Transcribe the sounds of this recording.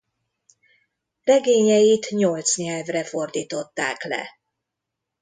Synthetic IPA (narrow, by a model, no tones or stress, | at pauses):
rɛɡeːɲɛjit̪ɲolt̪sɲɛlvrɛfo̞rd̪iːt̪o̞t̪ːaːklɛ̰